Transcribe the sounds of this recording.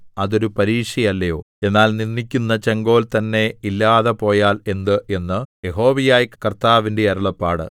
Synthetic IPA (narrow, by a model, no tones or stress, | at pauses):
ɐðo̞ɾupɐɾiːʂɐjɐlːɐjo̞̰ː | e̞nːaːlninːikʲːunːɐt͡ɕeŋɡo̞ːlt̪ɐnːe̞ilːaːðɐpo̞ːjaːle̞nd̪ɨʔe̞nːɨje̞ɦo̞ːʋijaːjkɐrt̪aːʋinde̞ɐɾuɭɐpːaːɽɨ̰